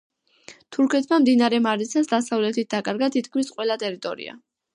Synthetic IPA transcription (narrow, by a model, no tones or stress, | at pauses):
t̪ʰuɾkʰɛt̪ʰmamd̪inaɾɛmaɾisʰasd̪asavlɛt̪ʰit̪̚d̪akʼaɾɡat̪ʰit̪ʰkʰmisqʼwɛlat̪ʼɛɾit̪ʼɔɾḭa̰